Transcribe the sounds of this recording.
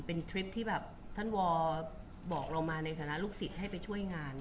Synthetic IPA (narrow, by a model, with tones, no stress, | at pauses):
pe˧nt̪ʰɾi˦˥p̚t̪ʰiː˥˩bɛː˨˩p̚t̪ʰa˥˩nwɔː˧ | bɔː˨˩k̚ɾa˧wmaː˧na˧jt̪ʰaː˧˩na˦˥luː˥˩k̚si˨˩t̪̚ha˥˩jpa˧jt͡ɕʰu˥˩əjŋaː˧n